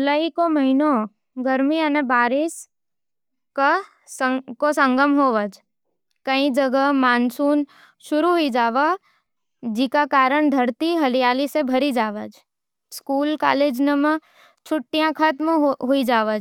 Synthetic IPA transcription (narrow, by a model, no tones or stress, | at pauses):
ʊlaikomɐɦino | ɡəɾmiənebaːɾɪs | ka | əkosə̃ŋɡəmɦoːʋəd͡ʒ | kəĩd͡ʒəɡəmaːnsuːn | ʃʊɾuɦoid͡ʒaːʋa | d͡ʒikakaːɾəɳd̪ʱəɾt̪iɦɐlijaːlisebʱəɾid͡ʒaːʋəd͡ʒ | skuːlka̰ːleːd͡ʒnəmə̃ | t͡ʃʰʊʈːijãkʰət̪mɦoid͡ʒaːʋəd͡ʒ